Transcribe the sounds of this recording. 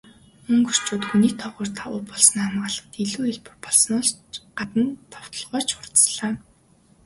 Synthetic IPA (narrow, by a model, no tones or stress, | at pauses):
ɵŋkur̥t͡ɕoːt̪xuniːkt̪ʰɔʁʊːrt̪ʰaʊːpɔɮsnːamɢaːɮə̥̆t̪iɮuːiɮpɵ̆rpɔɮs̆nɔɮɢat̪ə̆nt̪ʰɔw̥t̪ɞ̆ɮʁɔːt͡ɕʰʊrt̪ɮaː